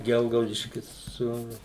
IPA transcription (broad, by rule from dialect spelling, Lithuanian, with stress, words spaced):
ˈɡʲɛlˠɡɐʊdʲɪʃʲkʲɪs sʊ